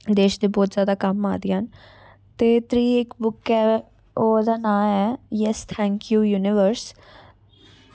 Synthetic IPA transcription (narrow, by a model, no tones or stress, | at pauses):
d̪eːʃd̪ibɔːt̪zjaːd̪akɐmːa̰ːd̪iɦən | t̪eːt̪ɾiːekbʊkɛ | oːd̪anaːɦɛjɛst̪ʰɛ̃ːŋkjuːjuːnɪʋəɾs